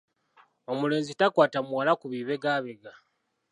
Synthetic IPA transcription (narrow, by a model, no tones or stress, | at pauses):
o̞mule̞ːnzitakwaːtamuwalakuβiːβeɡaːβeɡa